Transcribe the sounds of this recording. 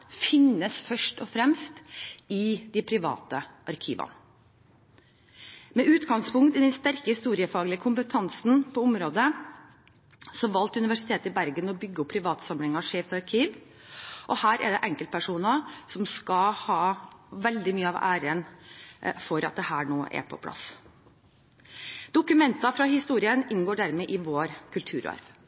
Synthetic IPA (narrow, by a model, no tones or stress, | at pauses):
fɪnːəsfœʂʈɔfɾɛmst̪ɪd̪ɪpʰɾɪʋɑ̰ːt̪əʔɑɾkʰḭːʋɑ̰nə | mɛʉːt̪ɡɑŋspʊŋkt̪ɪd̪ɛnst̪æɾkəhɪst̪uːɾɪəfɑːɡlɪəkʰʊmpət̪ʰɑnsn̩pʰɔʊmɾoːd̪ə | sɔʋɑlt̪ʉnɪʋæʂɪ̥t̪ʰeːt̪əɪbæɾɡənɔbʏɡːəʊpʰːɾɪʋɑːt̪sɑməlɪŋɑʂeːft̪ɑɾkʰiːʋ | ʔɔhæːɾʔɛ̰ɖ̪ɛʔɛŋkəlt̪̚pʰæʂuːnɑsɔmskɑhɑːʋɛld̪ɪmyːəɑʋæːɾən | fɔɾʔɑt̪̚d̪ɛhæːɳoːʔɛ̰pʰɔ̰pʰlɑ̰s | d̪̥ʊkʉmɛnt̪ɑfɾɑhɪst̪uːɾɪənɪnɡoːɖæɾmɛʔɪʋoːɾkʰʉlt̪ʰʉ̰ːɾɑ̰ɾʋ